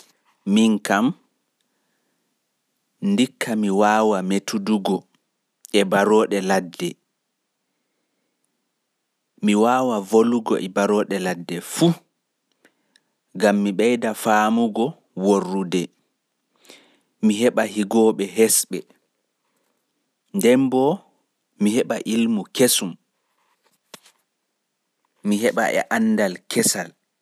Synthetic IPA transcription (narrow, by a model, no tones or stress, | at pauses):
miŋkam | ndikːamiwaːwametuduɡɔ | ɛbaɾɔːɗɛladːɛ | miwaːwavoluɡɔ̰ʔɛbaɾɔːɗɛladːɛfu | ɡamːiɓɛjdafamuɡɔ | worːudɛ | miɦɛɓaɦiɡɔːɓɛɦɛsɓɛ | ndɛmbɔ | mihɛɓaʔilmukesum | miɦɛɓa̰ʔɛ̰ʔanːdalkʰɛsal